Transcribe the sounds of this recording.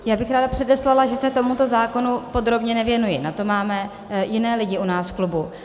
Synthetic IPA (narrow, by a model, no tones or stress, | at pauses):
jaːbɪxɾaːdapr̥ɛdɛslalaʒɛsɛt̪o̞mut̪o̞zaːko̞nupo̞d̪ɾo̞bɲɛnɛvjɛnujɪnat̪o̞maːmɛ | jɪnɛːlɪɟɪʔunaːsfklubu